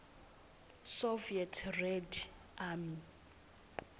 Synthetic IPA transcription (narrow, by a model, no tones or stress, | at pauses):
soviɛtʰrɛd | ami